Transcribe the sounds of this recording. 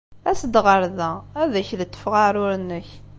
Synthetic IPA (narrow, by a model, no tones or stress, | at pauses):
æsəd̪ʁəɾðææðæçðət̪ːə̥fʁaɾʊɾnːəç